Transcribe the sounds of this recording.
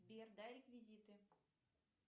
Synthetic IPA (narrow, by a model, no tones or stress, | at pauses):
bʲerd̪aɾʲɪkvʲizʲit̪ɨ